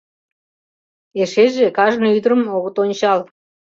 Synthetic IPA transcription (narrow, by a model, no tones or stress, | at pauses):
eʃeʒekɑʒnoyd̪əɾəmoɣət̪onʲt͡ɕɑl